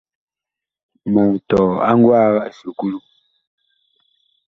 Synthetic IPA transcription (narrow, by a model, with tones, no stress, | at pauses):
ma˨tɔ˨a˦ŋɡwa˦˨wa˦ʔsu˨ku˦lu˦